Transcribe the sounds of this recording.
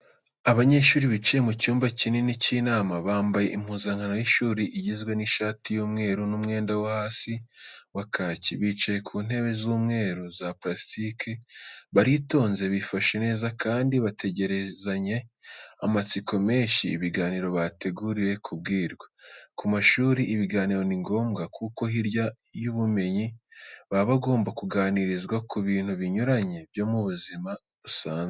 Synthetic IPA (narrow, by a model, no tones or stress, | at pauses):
aβaɲe̞ʃuːɾiβit͡ʃijemucuːmbacinenicinaːmaβaːmbaje̞ʔimhuːzaŋano̞jiʃuːɾiʔiɟizɡwe̞niʃaːtijoːmŋe̞ːɾunumŋe̞ːndawahaːsiwakʰaːciβiːt͡ʃaje̞kʰuːn̥he̞βe̞zuːmŋe̞ːɾuzapɾastikʰeβaɾito̞ːnze̞βifaʃene̞ːzakʰaːndiβatʰe̞ɟe̞ɾe̞zaɲe̞a̰mat͡siko̞me̞ːɲʃḭːβiɡaːniɾo̞βate̞ɡuɾiɾe̞kʰub̚ɡiːɾɡwakumaʃuːɾiʔːβiɡaːniɾo̞niŋɡo̞ːmɡakʰuko̞hiɾja | juβume̞ɲiβaβaɡo̞ːmbakuɡaːniɾizɡwakuβiːn̥huβiɲuɾaɲe̞bjo̞muβuzima | ɾusaːnze